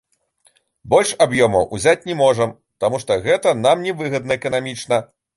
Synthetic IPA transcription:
bɔlʲʂabjɔmɐwʔuzʲat͡sʲnʲɛmɔʐɐm | t̪amuʂt̪ɔɣɛt̪ɐnamnʲɛvɨɣɐd̪nɐɛkɐnamʲit͡ʂnɐ

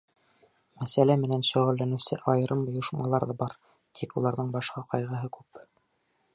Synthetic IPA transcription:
mæsælæmɘ̆nænʃɵ̆ʁɘ̆lːænɘ̆wsɘʔɑjɤ̆ɾɤmjŏʃmɑ̰lˠɑɾðɑbɑɾ | t̪ʰikulˠɑɾðɤɴbɑʃqɑqɑjʁɤ̆ɦɤkʉp

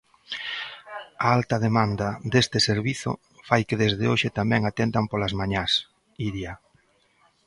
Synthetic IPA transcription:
aalt̪ɐðemand̪ad̪est̪ɪseɾβiθʊ̰ | fajkeðezðeoʃɪt̪amɛŋat̪ent̪ampolazmaɲas | iɾja

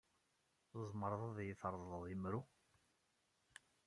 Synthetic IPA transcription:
zˤməɾðˤɑðˤjəθəɾˤðˤləðˤimɾu

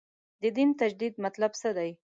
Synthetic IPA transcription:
d̪əd̪int̪ad͡ʒd̪id̪̚mat̪labsəd̪aj

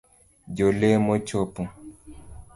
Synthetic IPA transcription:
d͡ʒolemot͡ʃopu

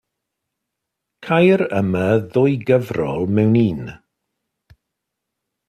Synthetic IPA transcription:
kʰajɾəməðʊːjɡəvrɔlˠmɛwniːn

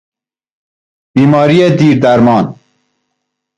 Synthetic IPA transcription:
b̥iːmɑːɾijed̪iːɾd̪aɾmɑːn

